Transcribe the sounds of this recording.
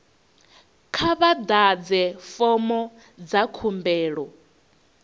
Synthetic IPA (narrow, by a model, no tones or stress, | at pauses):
kʰaβad̪ad͡zɛfɔmɔ | d͡zakʰumbɛːɺɔ